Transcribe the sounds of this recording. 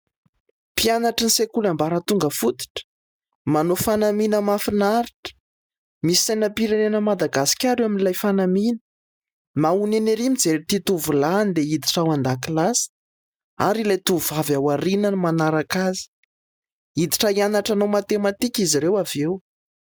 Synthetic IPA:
pianaʈ͡ʂinisekulambaɾət̪uŋɡəfut̪i̥ʈ͡ʂə̥ | manofanaminəmafinaɾiʈ͡ʂə̥ | misi̥sajnapiɾanenəmad̪aɡasi̥kʲaɾewaminilajfanaminə̥ | mauneneɾimid͡zelit̪it̪uvulanid̪eid̪iʈ͡ʂawand̪akilasi̥ | a̰ɾilajt̪uvuvavawaɾinənimanaɾakazi̥ | id̪iʈ͡ʂaianaʈ͡ʂanowmat̪emat̪ikʲiziɾewavew

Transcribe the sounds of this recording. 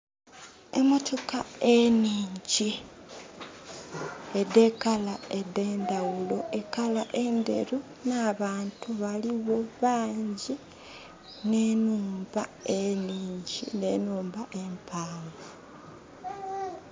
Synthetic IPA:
ḛmotʰokaeniːɲɟi | ede̞kalae̞de̞ːndawulo̞ʔe̞kalaʔe̞nde̞̰ɾu | naβaːntuβaliβo̞βaːɲɟi | ne̞nuːmbaeniːɲɟine̞nuːmbaʔempʰaːwa

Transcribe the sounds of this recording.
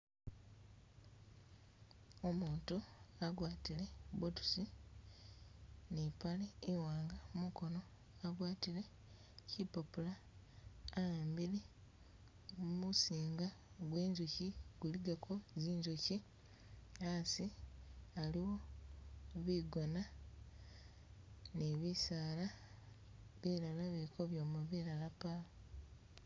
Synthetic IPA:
omuːntuaɡwaːtile̞botu̥si | nipaleiwaːŋɡamuko̞no̞ | aɡwaːtile̞ | cipopulaː | jambili | musiːŋɡa | ɡwe̞ːɲzociɡ̥uliɡakʰoziːɲzoci | asi | aliwo̞ | βiɡona | neβisaːla | βiɾalaβiiko̞βjoːmaβiɾalapalo

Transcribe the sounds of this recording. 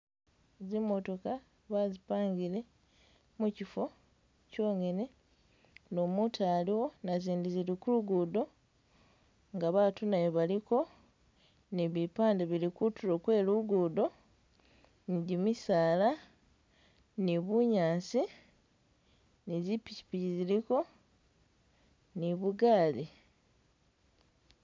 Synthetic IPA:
zimo̞to̞ka | βazipaːŋɡile̞ | mucifo̞ | co̞ːŋene | nomutʰaːliwo̞naziːndizilikuluɡudo̞ | ŋɡaβatunajoβaliko̞ | niβipaːndeβilikutulo̞kwe̞ːluɡudo̞ | niɟimisaːla | niβuɲaːnsi | nizipici̥piciziɾiko̞ | niβuɡaːli

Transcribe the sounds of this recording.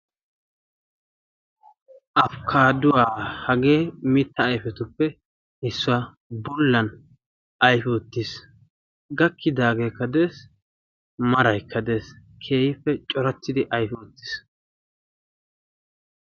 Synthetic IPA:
ʔɐfkʰaːd̪ʊwaːhɐɡe̞ːmit̪ːɐːjfɛt̪ʊpːɛ | ɪsːʊwɐ | bɔlːɐn | ʔɐjfɔt̪ːɪs | ɡɐkːɪd̪aːɡe̞ːkːɐd̪eːs | mɐɾɐjkʰːɐd̪e̞ːs | kʰe̞ːjɪfːɛt͡ʃʼɔɾɐt̪ːɪd̪ɪʔɐjfɔt̪ːɪ̥s

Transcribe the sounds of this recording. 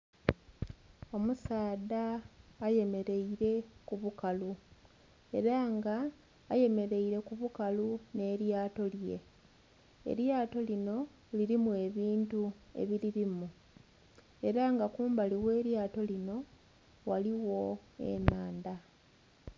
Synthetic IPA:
o̞musaːdaːje̞me̞ɾe̞iɾe̞kuβukalu | e̞ɾaŋɡaː | je̞me̞ɾe̞iɾe̞kuβukalune̞ːɾjaːto̞lje̞̰ | ḛɾjaːto̞lino̞ | liɾimue̞βiːntue̞̰βiɾiɾimu | e̞ɾaŋɡakuːmbaliwe̞ːɾjaːto̞lino̞ | waliwo̞e̞̰naːnda

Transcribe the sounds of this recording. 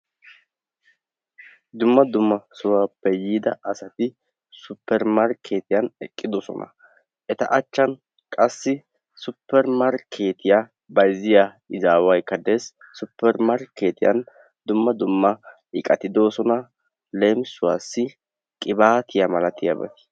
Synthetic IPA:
d̪ʊmːɐd̪ʊmːɐsʊwaːpːɛjiːd̪ɐʔɐsɐt̪ɪ | sʊpːɛɾmaɾkʰe̞ːt̪ɪjɐnɛkʼːɪd̪ɔsɔ̰nɐ̰ | ʔɛt̪ɐ̰ʔɐt͡ʃːɐn | kʼɐsːɪ | sʊpːɛɾmɐɾkʰe̞ːt̪ɪja | bɐjzɪja | ɪzaːwɐjkːɐd̪eːsː | ʊpːɛɾmɐɾke̞ːt̪ɪjɐ̰n | d̪ʊmːɐd̪ʊmːɐʔɪkʼɐt̪ɪd̪o̞ːsɔnɐ | lemsʊwaːsːɪ | kʼɪbaːt̪ɪjɐmɐlɐt̪ɪja̰bɐ̰t̪ɪ̥

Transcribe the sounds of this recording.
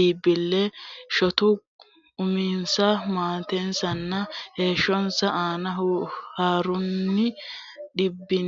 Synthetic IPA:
iːbɪlːɛʃɔt̪ʊ | ʊmiːnsɐmaːt̪ɛnsɐnːɐhe̞ːʃːɔnsɐʔaːnɐhaːɾʊnːɪ | ᶑɪbːɪn

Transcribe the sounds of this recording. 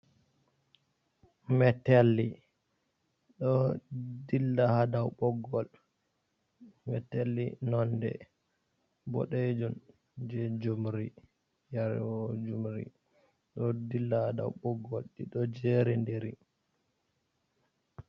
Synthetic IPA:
mɛtɛlːi | ɗɔdilːahadawɓɔɡɔl | mɛtɛlːinɔndɛ̰ | bɔ̰ɗed͡ʒun | d͡ʒɛd͡ʒumɾi | jaɾwɔd͡ʒumɾḭ | ɗɔdilːahada̰wɓɔɡɔlɗiɗɔd͡ʒeɾindeɾi

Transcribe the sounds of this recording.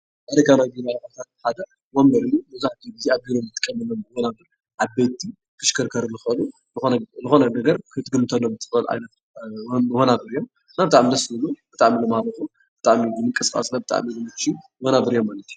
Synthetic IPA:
ʔaɾɐkanaɡiɾakat̪ʰat̪̚ħad̪ɐ | womɡɐɾɨjumɐzaħt̪ʰibɨziaβɡiɾomɨt̪ʰːɨ̥kʼːɐmːɐlːomɨhonabɨɾ | ʔaβbet̪ʰːi | kʰɨʃkʰɨɾkʰɐɾlɨxɐlu | zɨxo̞nɐnɐɡɐɾkʰɨt̪ɡɨmt̪ʰɐlombɨt̪ʰːɨ̥ɐlʕa̰jnɐt̪ː | ɨhonabɨɾijom | ɨnːabɨt̪ʼaʕmid̪ɐsɨlubɨt̪ʼaʕmilɐmahaɾɐxum | b̥ɨt̪ʼaʕmibɨmɨŋkʼɐskʼa̰snɐbɨt̪ʼa̰ʕmilɨmɨt͡ʃːi | ɨhonabɨɾjomːalɐt̪ʰiju

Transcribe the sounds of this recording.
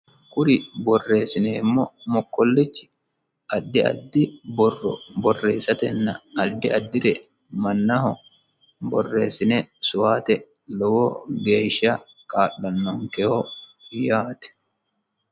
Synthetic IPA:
kʼʊɾɪbɔrːe̞ːsɪneːɪmːɔmɔkːɔlːɪt͡ʃːɪ̥ | ɐd̪ːɪɐ̰d̪ːɪbɔrːɔ̰bɔrːe̞ːsːɐt̪ɛnːɐɐd̪ːɪɐd̪ːɪɾɛ | mɐnːɐɦɔ | bɔrːe̞ːsɪnɛsʊwaːt̪ɛ | lɔwɔɡeːʃɐ | kʼaːɗːɐnːɔŋkɛhɔjaːt̪ɛ̥

